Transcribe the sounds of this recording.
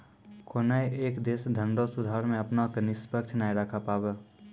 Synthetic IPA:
kʰoːnaeʔeːkd̪eːsd̪ʱə̃ɳɖosʊd̪ʱaːɾmẽɐpnaknɪspəkt͡ʃʰnaːjɾakʰapaːbə

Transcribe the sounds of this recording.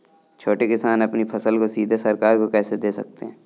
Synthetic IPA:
t͡ʃʰoːʈekɪsaːnɐpnipʰɐsəlkosiːd̪ʱesɐɾkaːɾkokɛːsed̪eːsɐ̰k̚t̪eɦɛ̃ː

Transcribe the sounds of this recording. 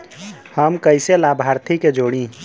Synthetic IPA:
həmkəɪselaːbʱaːɾt̪ʰiked͡ʒoːɽĩ

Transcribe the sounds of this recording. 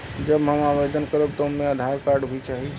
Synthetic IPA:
d͡ʒəbɦəmaʋed̪ənkəɾəb̚t̪oɦmẽəd̪ʱaɾkaɾɖbʱit͡ʃaɦi

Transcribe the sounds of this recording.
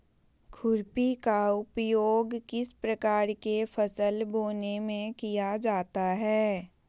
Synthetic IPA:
kʰʊɾpikaʊpjoːɡkɪspɾɐkaːɾkefʰəsəlboːnemẽkijad͡ʒaːt̪aɦɛː

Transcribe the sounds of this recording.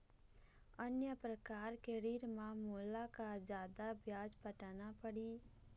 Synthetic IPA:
ənjəpɾəkaːɾkeɾiːɾmãmuːlakad͡ʒaːd̪abjaːd͡ʒpəʈaːnapəɽiː

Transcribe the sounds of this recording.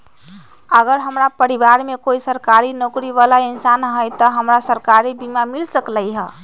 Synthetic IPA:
əɡəɾɦəmɾapəɾibaɾmekoisəɾkaɾinokɾiβalainsanɦəjt̪əɦəmɾasəɾkaɾibimamilsəkləjɦə

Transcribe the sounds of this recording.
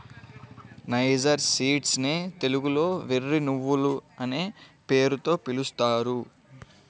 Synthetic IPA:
nɐjd͡ʒɐɾsiːʈsneːt̪e̞luɡulo̞ːʋerːinuʋːuluɐneːpe̞ːɾut̪o̞ːpilust̪aːɾu

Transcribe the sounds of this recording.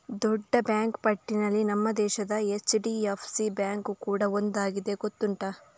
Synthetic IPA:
d̪ɔɖːɐbjaːŋkpɐʈːinɐlːinɐmːɐd̪ɛːʃɐd̪ɐet͡ʃːɖiepʰsibjaːŋkukuːɽɐond̪aːɡid̪e̞ɡot̪ːuɳʈɐ

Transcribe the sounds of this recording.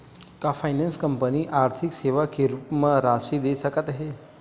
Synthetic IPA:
kafajnãnskəmpəniʔaɾt̪ʰikseʋakeɾupməɾaʃid̪esəkət̪aɦe

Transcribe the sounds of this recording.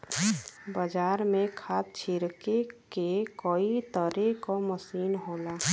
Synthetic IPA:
bəd͡ʒaːɾmẽkʰaːt̪̚t͡ʃʰɪɾkekekoːit̪əɾekoməsiːnɦoːlaː

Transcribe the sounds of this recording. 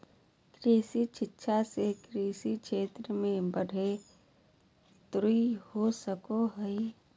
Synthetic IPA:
kɾiːsit͡ʃɪtːʃʰasekɾiːsikʃʰeːt̪ɾəmẽbəɽ̤ʱe | t̪ɾuihosəkoɦəi

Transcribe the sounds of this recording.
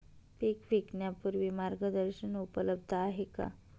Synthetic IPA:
pikʋiknjapuɾʋimaɾɡəd̪əɾɕənupələbd̪ʱəaɦeka̰

